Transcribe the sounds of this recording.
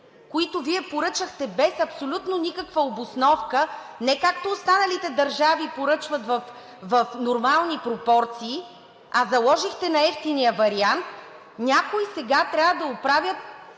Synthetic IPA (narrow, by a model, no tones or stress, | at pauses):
koit̪oviɛpoɾɤt͡ʃəxt̪ɛbɛsɐpsolʲut̪nonʲikəkvɐobosnɔfkənɛkak̚t̪oːst̪anɐlit̪ɛd̪ɐɾʒavipoɾɤt͡ʃvɐt̪vɐf | vɐfnoɾmalˠnipɾopɔɾt̪siː | ɐzɐlˠɔʒixt̪ɛnɐɛft̪inijəvɐɾiant̪ | nʲakoisɛɡat̪ɾʲavəd̪ɐopɾavʲjət̪